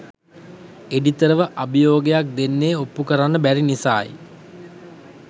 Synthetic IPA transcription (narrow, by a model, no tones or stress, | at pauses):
eɖit̪əɾəʋəʔabəjoːɡejak̚d̪enːejːopːukəɾanːəbæɾinisaːj